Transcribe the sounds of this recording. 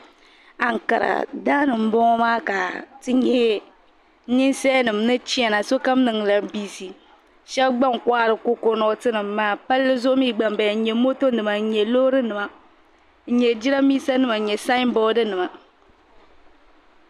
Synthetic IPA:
a˨ŋ˨ka̰˨ɾa̰˨da˦nɨ˨m̩˦bɔ˦ŋɔ˦maː˦ka˨tɨ˦ɲɛ˦ | ɲi˦nsɛ˦nɨ˨mnɨ˦t͡ʃi˦ɛ˨na˨so˦ka˦mnɨ˨ŋ˨la˨biː˦si˨ | ʃɛ˦bɡ͡ba˦ŋ˨kwa˦ɾɨ˨ko˦ko˨nɔ˨tɨ˦nɨ˨mːaː˨pa˦lːɨ˦zʊ˦miː˦ɡ͡ba˨m˦ba˨˦ɲɛ˨mo˦to˦nɨ˨ma˨˦ɲɛ˨lo˦ɾɨ˦nɨ˨ma˨˦ | ɲɛ˨d͡ʒi˦ɾa˦miː˦sa˦nɨ˦ma˨ɲɛ˨sa˦m˦bɔː˦dɨ˦nɨ˨ma˨

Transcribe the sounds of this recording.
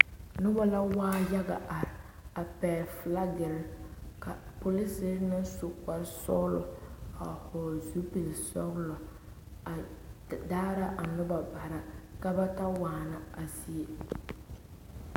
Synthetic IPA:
nʊ˦ba˦la˦waː˦ja˦ɡa̰˨ʔa˨ɾɪ˨ | a˨pɛː˨fla˦ɡɪ˨lka˨po˨li˦sɪ˦ɾnɪ˦so˨ka˨ɾsɔ̰˦ɣlʊ˨a̰˨hɔː˨zu˦pi˨lsɔ˦ɣlɔ˨ | a˨daː˦ɾa˦ʔa˨nʊ˦ba˨ba˨ɾa˦ka˦ba˦ta˦waː˨na˨a˨zi˨e˦

